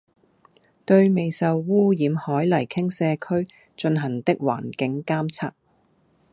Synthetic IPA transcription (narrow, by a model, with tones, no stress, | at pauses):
t̪ɵ˧ɥme˨jsɐ˨wːuː˥jiː˨˧mhɔː˨˥jlɐ˨˩jkʰɪ˥ŋsɛː˧kʰɵ˥ɥ | t͡ʃɵ˧nɦɐ˨˩ŋt̪ɪ˥k̚wa̰ː˨˩nkɪ˨˥ŋkaː˥mt͡sʰaː˥k̚